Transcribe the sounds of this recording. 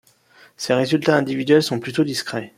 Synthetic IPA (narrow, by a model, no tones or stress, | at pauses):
seʁezylt̪aɛ̃d̪ivid̪ɥɛlsɔ̃plyt̪od̪iskχɛ